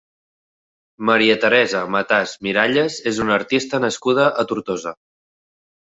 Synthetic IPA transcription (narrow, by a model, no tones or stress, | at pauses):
məɾiət̪əɾɛzəmət̪azmiɾaʎəzezunəɾt̪ist̪ənəskuð̞əʔət̪uɾt̪ozə